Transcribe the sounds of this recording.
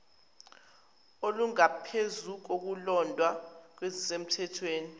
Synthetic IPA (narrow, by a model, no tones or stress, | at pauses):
oluŋapʰezuk̬ok̬ulɔndʱwak̬wezisem̩tʰɛtʰweːni